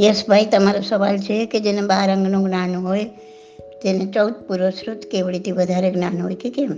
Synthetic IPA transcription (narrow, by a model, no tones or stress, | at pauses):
jesbʱait̪ɦəmaːɾasəʋaːlt͡ʃʰeked͡ʒenẽbaːɾə̃ŋɡnõɡnaːnɦoe | t̪enẽt͡ʃɔʊt̪̚puɾosɾut̪kebɽit̪iʋəd̪ʱaɾeɡnanɦojkikem